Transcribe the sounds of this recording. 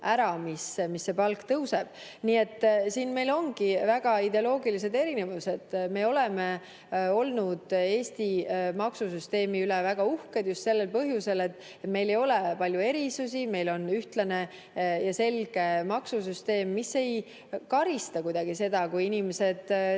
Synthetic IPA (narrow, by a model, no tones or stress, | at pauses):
ʔæɾɑmismisːe̞pɑlkt̪ɤwse̞b̥̚niːe̞t̪ˑːsiːnme̞jlo̞ŋɡ̥ivæɡ̥ɑid̪eolo̞ːɡilis̬e̞d̪e̞ɾinevuse̞d̪̥me̞ːo̞leme | o̞lnud̪̥eːst̪imɑksus̬yst̪e̞ːmiylevæɡ̥ɑuhked̪̥just̪se̞lːe̞lpɤɦjuse̞le̞t̪ːˑ | et̪me̞jle̞jo̞lepɑlʲjue̞ɾisusime̞jlo̞nyht̪lɑne̞ | jɑse̞lɡ̥e̞mɑksusyst̪e̞ːmːisːe̞j | kɑɾist̪ɑkujd̪ɑɡ̥ise̞d̪̥ɑkujinime̞se̞d̪̥